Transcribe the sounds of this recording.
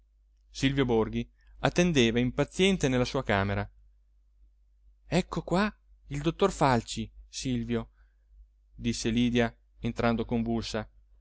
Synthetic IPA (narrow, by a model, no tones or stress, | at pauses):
silvjoborɡi | at̪ːend̪eːvaimpat̪sːjɛnt̪enelːasuːakaːmeɾa | ɛkʰːokwa | ild̪ot̪ːorfalt͡ʃisilvjo | d̪isːeliːd̪ja | ent̪ɾand̪okoɱvulsa